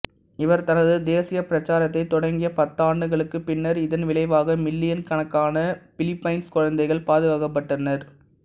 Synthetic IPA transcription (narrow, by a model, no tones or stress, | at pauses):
ɪʋɐɾt̪ɐnɐðɯd̪eːsɪjɐpɪɾɐt͡ʃːaːɾɐt̪̬ːɐɪt̪ːɔɽɐŋɡɪjɐpɐt̪ːaːɳɖɯɣɐɭɯkːɯpɪnːɐɾɪðɐnʋɪɭɐɪʋaːɣɐmɪlːɪjɐnkɐnɐkːaːnɐpɪlɪpːɐɪnskɔɻɐnd̪ɐɪɣɐɭpaːðɯɣaːɣɐp̬ːɐʈːɐnːɐɾ